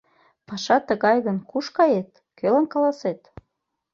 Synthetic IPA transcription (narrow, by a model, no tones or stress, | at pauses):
pɑʃɑt̪əɣɑjɣənkuʃkɑjet̪ | kølɑnkɑlɑset̪